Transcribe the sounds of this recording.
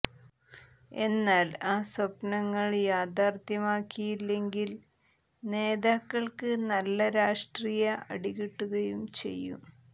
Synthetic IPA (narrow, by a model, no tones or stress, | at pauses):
e̞nːaːlaːswɐpnɐŋːɐɭjaːd̪aːrt̪jɐmaːkːijilːe̞ŋɡil | ne̞ːðaːkːɐɭkɨnɐlːɐɾaːʂʈriːjɐʔɐ̰ɽiɣiʈːuɣɐjumt͡ɕe̞̰jːṵm